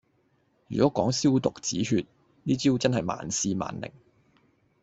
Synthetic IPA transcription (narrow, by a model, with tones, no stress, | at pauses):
jyː˨kɔː˨˥kɔː˨˥ŋsiː˥wt̪ʊ˨k̚t͡siː˨˥ɦyː˧t̚ | niː˥t͡siː˥wt͡sɐ˥nɦɐ˨jma̰ː˨˥nsiː˧ma̰ː˨˥nlɪ̰˨˩ŋ